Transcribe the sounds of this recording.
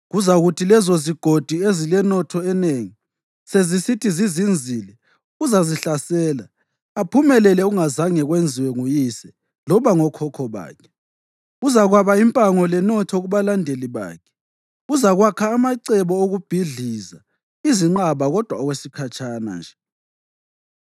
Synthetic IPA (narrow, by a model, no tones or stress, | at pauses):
ɣuzaɣutʰilɛzoziɡ̥ʱod̥ʱiezilɛnɔtʰɔɛneŋi | sezisitʰizizind͡zʱilɛ | uzaziɬasɛːla | apʰumɛlɛlɛuŋazaŋɛɣwend͡zʱiwɛŋujisɛ | lɔβaŋɔkʰɔkʰɔβa̰ːkʰɛ̥ | uzaɣwaβaimpʼaŋɔlɛnɔtʰɔɣuβalandʱeliβa̰ːkʰɛ̥ | uzaɣwakʰaːmaǀɛβɔoɣub̥ʱiɮiza̰ | iziŋ͡ǃaβaɣɔd̥ʱwaɔɣwesikʰat͡ʃʰʼana̰nd͡ʒʱɛ